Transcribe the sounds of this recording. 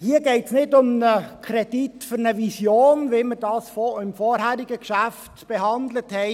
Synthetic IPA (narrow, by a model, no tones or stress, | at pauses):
hiːəɡɛɪtsnɪdʊmnəkʰɾɛd̥itfʏɾnəvisjoːnʋɪməɾd̥ɑːsfoɪmfɔːɾɦæɾɪɡəkʃæftb̥eɦɑndləthɛɪ